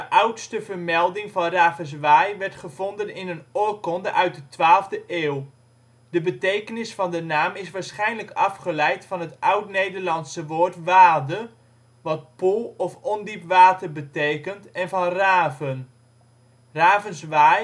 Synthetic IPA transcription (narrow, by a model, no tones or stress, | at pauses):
dəʔʌwtstəvəɹmɛlˠdɪŋvɑnraːvəns̬ʋajʋɛɹtχəv̥ɔndənɪnənokɔndəʔœɥt̚dətʋaːlˠvdəʔeːw | dəbətejkənɪsfɑndənaːmɪsʋaːɹsχɛjnləkɑfχəlɛjtfɑnɦətʌwtnejdəɹlɑnsəʋoːɹtʋaːdə | ʋɑt̚pulˠɔfɔndipʋaːtərbətejkəntɛnvɑnraːvən | raːvənsʋaj